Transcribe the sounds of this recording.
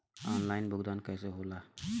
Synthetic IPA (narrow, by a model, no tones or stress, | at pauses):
ɔnlainbʱʊɡd̪ankəjseɦola